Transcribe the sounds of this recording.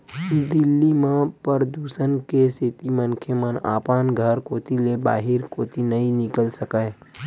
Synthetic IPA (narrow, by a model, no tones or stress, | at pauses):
d̪ɪlːimãpəɾəd̪uːsənkeset̪imənkʰjəməna̰ːpanɡʱəɾkoːt̪ileba̰ːɦɪɾkoːt̪inəinɪkəlsəkə